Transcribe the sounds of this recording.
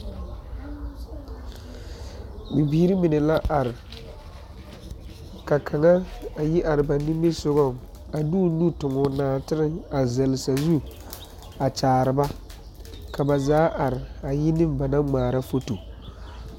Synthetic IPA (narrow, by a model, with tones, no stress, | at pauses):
mi˨biː˨˦ɾi˦mɪ˨nɛ˨la˦ʔa˨ɾɪ˨ | ka˨kʰa˨ŋa˦a˨ji˦ʔa˨ɾɪ˨ba˨nɪ˦me˦sʊ˦ɣɔ˦˨ŋ | a˨duː˦nu˦tʊ˨ŋɔ˨naː˨tɪ˦ɾɪ˦ŋa˨zɛ˨lɪ˨sa˨zu˦ | a˨t͡ʃaː˨ɾɨ˨ba˦ | ka˨ba˨zaː˨˦ʔa˨ɾɪ˨a˨jɪ˦nɪ˦mba˨na˦ŋ͡maː˨ɾa˦fo˦to˨